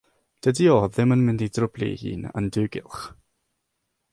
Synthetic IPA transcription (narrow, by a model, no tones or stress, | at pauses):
d̥ədiɔðɪmənmɪndidrʊblḭhḭːnə̰ndʉːɡɪ̰lˠχ